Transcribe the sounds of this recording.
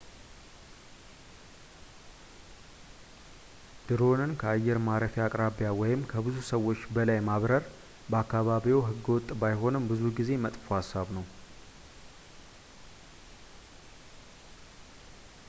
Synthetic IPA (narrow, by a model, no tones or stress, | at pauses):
d̪̥ɨɾo̞nɨnkʰəajːɛɾmaɾəfjakʼɾaβjawɔjɪmkʰəbɨzusəwːo̞t͡ʃːbəlajmaβɾəɾ | bəakːaβaβiwɦɨɡːwɔt̪ʼːbajɦo̞nɨmbɨzuɡize̞mət̪ʼfohasːaβnəw